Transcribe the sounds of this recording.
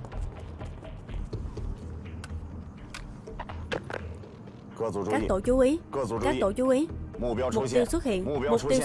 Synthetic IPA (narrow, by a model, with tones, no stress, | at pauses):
kaː˦˥t̪o̰˧˩t͡ɕu˨˦ʔi˨˦˧aː˦˥˧kt̪o̰˧˩t͡ɕu˨˦ʔi˨˦˧mo˨˩i˧wswə˦˥t̚hḭ˧˨ən˨˩mo˨˩t̪i˧w